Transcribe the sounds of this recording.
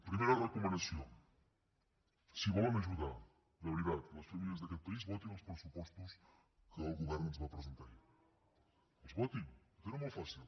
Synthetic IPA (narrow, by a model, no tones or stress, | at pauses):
pɾimeɾɐrekomẽnd̪asjõ̰ŋ | siβolamaʒuðaɾ | d̪aβɾiðaðplɐspɾemiɐzðakelpaizβɔt̪ẽŋospɾesupɔst̪ʊs | kɨoɣuɣɛɾnnozβapɾez̬ẽnt̪aɾi | ozβɔt̪eŋt̪eɾamojfasil